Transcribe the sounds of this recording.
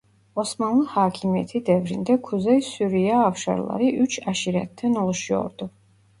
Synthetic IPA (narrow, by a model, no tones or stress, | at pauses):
ɔsmanlˠəhaːkʰimiɛ̰t̪ʰid̪ɛvɾḭnd̪ɛkʰuzɛjsuɾijaːfʃa̰ɾlˠa̰ɾiʔyt͡ʃʰaʃiɾɛ̰t̪̚ʰdːɛnɔlˠuʃiɔ̰ɾd̪u